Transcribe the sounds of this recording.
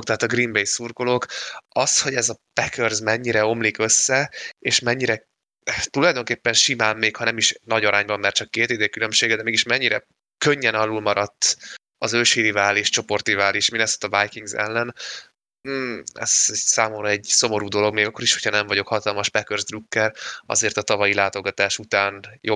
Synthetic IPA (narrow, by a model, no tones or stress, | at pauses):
kt̪ɛɦaːt̪ɒɡrimbejsurɡolo̞kɒsho̞ɟɛzɒpɛkørzmɛɲːiɾɛo̞mlikø̞sːɛeːʃmɛɲːiɾɛ | t̪ulɒjd̪o̞ŋkeːpːɛnʃimaːmːeːkhɒnɛmiʃnɒɟɒɾaːɲbɒmːɛrt͡ʃɒkːeːt̪eːd̪eːkylø̞mʃeːɡɛd̪ɛmeːɡiʃmɛɲːiɾɛ | køɲːɛnɒlulmɒɾɒt̪ː | ɒzølʃiːɾivaːleːʃt͡ʃo̞po̞rt̪ivaːliʃminɛso̥t̪ːɒbajkiŋɡzɛ̰lːɛn | m̩ːɛ̰z̥ɛsaːmo̞mɾɒɛɟso̞mo̞ɾuːd̪o̞lo̞ɡmeːɡɒkːo̞ɾiʃho̥cʰhɒnɛɱvɒɟo̞khɒt̪ɒlmɒʃpɛkørzd̪rukːɛɾɒ̰zeːrt̪ɒt̪ɒvɒjilaːt̪o̞ɡɒt̪aːʃut̪aːnjo